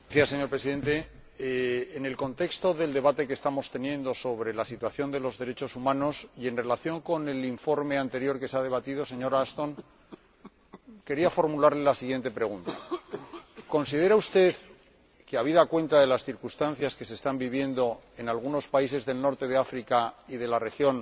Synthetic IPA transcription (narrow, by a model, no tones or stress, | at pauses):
aθjasːe̞ɲo̞ɾpɾesiðe̞nt̪e̞ | ne̞lko̞nt̪e̞kst̪o̞ðe̞ld̪e̞β̞at̪e̞kest̪amo̞st̪e̞nje̞nd̪o̞so̞βɾe̞lasit̪waθjo̞nd̪e̞lo̞zðe̞ɾe̞t͡ʃo̞sumãno̞sie̞nre̞laθjo̞ŋko̞ne̞liɱfo̞ɾme̞ant̪e̞ɾjo̞ɾke̞seaðe̞β̞at̪iðo̞se̞ɲo̞ɾast̪o̞ŋ | ke̞ɾiafo̞ɾmulaɾle̞lasiɣje̞nt̪e̞pɾe̞ɣ̞unt̪a | ko̞nsið̞e̞ɾaust̪e̞ð | keaβ̞iðakwe̞nt̪aðe̞lasθiɾkust̪an̟θjaske̞sest̪ambiβje̞nd̪o̞e̞nalɣuno̞spais̬e̞zðe̞lno̞ɾt̪e̞ðe̞afɾikaiðe̞lare̞xjo̞n